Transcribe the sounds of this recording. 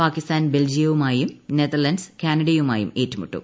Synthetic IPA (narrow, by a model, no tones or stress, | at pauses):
paːkist̪aːnbe̞ld͡ʑijɐʋumaːjumneðɐrlɐnskaːnɐɽɐjumaːjṵme̞ːtːumṵʈːṵm